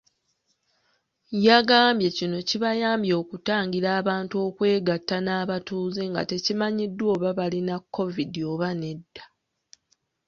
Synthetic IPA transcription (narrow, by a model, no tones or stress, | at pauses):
jaɡaːmbje̞cino̞ciβajaːmbjo̞ːkutaːŋɡiɾaːβaːntuo̞ːkwe̞ːɡatːanaːβatuːzeŋɡa̰te̞cimaɲidːwo̞ːβaβalinakʰːo̞vidio̞ːβane̞dːḁ